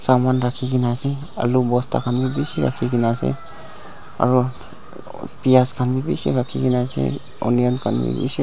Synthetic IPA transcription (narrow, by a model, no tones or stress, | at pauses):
samanɹakʰikinasɛ | a̰lubɔstʰa̰kʰanbibisiɹa̰kʰikinasɛ̰ | a̰ɹu | pijaskʰanbibisḭɹakʰikinasɛ̰ | ṵnijankʰanbḭbḭsi